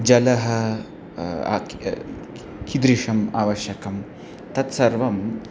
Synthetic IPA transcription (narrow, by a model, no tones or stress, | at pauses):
d͡ʒɐlɐɦɐ | kʰid̪ɾiʂɐmaːʋɐʃjɐkɐm | t̪ɐt̪sɐɾʋɐm